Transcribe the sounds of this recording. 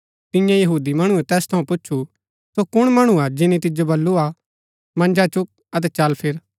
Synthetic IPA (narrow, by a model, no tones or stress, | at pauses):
t̪ɪjãjɐɦuːd̪imɐɽ̃uɛt̪ɛːst̪ʰɐũpʊtːʃʰu | sokʊɽ̃mɐɽ̃ũad͡ʒɪnit̪̬ɪd͡ʒobɐlːua | mɐ̃nd͡ʒat͡ʃʊk̚ | ɐt̪̬ɛt͡ʃɐlpʰɪɾ